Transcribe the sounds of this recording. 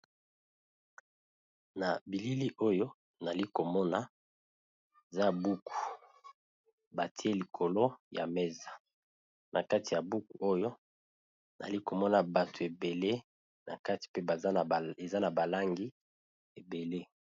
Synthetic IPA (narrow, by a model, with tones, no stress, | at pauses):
na˨bi˨li˦li˦ʔo˦jo˦ | na˨li˦ko˨mɔ˦na˦ | e˨za˦˨bu˦ku̥˨ | ba˨tʰi˦e˦li˨kʰo˨lo˦ja̰˨me˦za˨ | nʔa̰˨ka˦ti˨ja˨bu˦ku˨o˦jo˦ | nʔa̰˨li˦ko˨mɔ˦na˨ba˨tʰo˨e˨be˨le˦ | na̰˨ka˦ti̥˨pe˦ba˨˦˨e˨za˦na˨ba˨la˦ŋɡi˦ | e˨be˨le˦